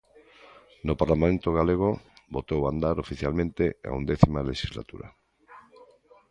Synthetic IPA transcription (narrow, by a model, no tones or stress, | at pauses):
nopaɾlamamẽnt̪oɣaleɣ̞obot̪owand̪aɾofiθjalmẽnt̪ea̰ṵnd̪eθimaleʃizla̰t̪ṵɾa̰